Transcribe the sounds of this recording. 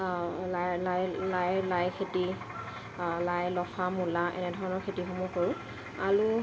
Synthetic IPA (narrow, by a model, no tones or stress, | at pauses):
lajlajlajlajkʰeti | lajlɔxʰamulaʔɛ̰nɛdʱɔɹɔnɔɹkʰetixumukoɹũ | alu